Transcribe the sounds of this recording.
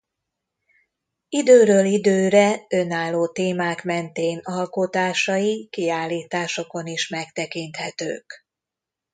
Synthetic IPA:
id̪øːɾøːlid̪øːɾɛønaːlːoːt̪eːmaːkmɛnt̪eːnɒlko̞t̪aːʃɒjikiaːlːiːt̪aːʃo̞ko̞niʃmɛkt̪ɛkint̪hɛt̪ø̰ːk

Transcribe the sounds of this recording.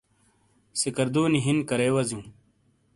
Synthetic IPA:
sikɐɾd̪uːniɦinkɐɾeːwɐzjũː

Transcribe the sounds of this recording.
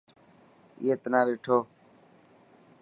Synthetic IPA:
ḭjeːt̪ənãːʋeːʈʰoː

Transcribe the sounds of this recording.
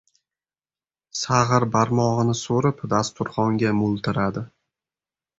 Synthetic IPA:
saʁɨɾbaɾmɒʁɨnɪsoɾɪpd̪ast̪ʊɾχɒŋɡʲamʊlˠt̪ʰɪɾad̪ɪ

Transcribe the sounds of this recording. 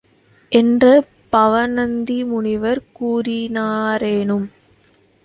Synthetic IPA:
ʔɛndrɐ | pɐʋɐnɐnd̪imʊɳɪʋɐɾkuːɾɪnaːɾeːnɯm

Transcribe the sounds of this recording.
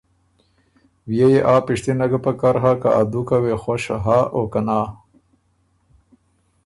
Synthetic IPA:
wjejeʔaːpiʂt̪inɐɡapakaɾɦaka̰ʔad̪ukawexoʃɦaʔokanaː

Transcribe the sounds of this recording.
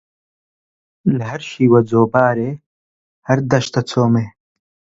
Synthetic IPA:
lɦɐɾʃiːwɐd͡zoːbaːɾeː | hɐɾd̪ɐʃt̪ɐt͡sʰoːmeː

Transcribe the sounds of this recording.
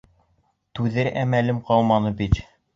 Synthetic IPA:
t̪ʉðɘɾʔæmælɘmqɑwˠmɑnɤbit̪

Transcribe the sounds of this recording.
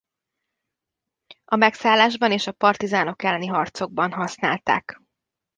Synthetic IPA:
ɒmɛksaːlːaːʒbɒneːʃɒpɒrt̪izaːno̞kɛlːɛniɦɒrt̪so̞ɡ̚bɒnɦɒsnaːlt̪a̰ːk

